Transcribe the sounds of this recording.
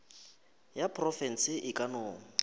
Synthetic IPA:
japʰrɔfɛn̩sɪʔɪkʼanoːŋ̩

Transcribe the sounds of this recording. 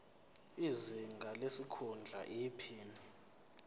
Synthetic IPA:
iziŋɡʱalesikʰund͡ɮʱa̰ʔiːpʰiːni

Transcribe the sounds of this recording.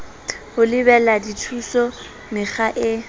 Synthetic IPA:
hʊlɪbɛladitʰusɔ | mɪχaʔɪ

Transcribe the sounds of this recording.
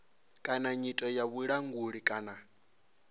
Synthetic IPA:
kʼanaɲitʼɔjaβuɺaŋɡuɺikʼana

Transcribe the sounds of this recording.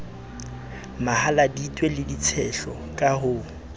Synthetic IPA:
mahaladitʼwelɪdit͡sʰɛɬɔ | kʼahʊ

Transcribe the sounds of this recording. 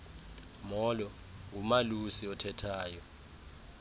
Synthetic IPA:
mɔlɔ | ŋʱumalusiɔtʰɛtʰaːjɔ

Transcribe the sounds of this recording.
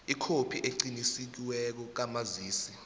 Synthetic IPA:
ikʰopʰiʔeǃinisik̬iwɛk̬ɔk̬amaziːsi

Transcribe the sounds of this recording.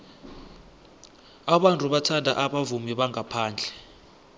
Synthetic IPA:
aɓantʼuɓatʰadʱa̰ʔaɓavumiɓaŋapʰaːnd͡ɮʱɛ

